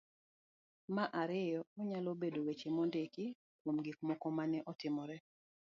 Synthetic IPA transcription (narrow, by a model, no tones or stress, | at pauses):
maʔaɾɪjɔɔɲalobedowet͡ʃemɔndeki | kwomɡikmɔkɔmanɛʔɔtɪmɔɾɛ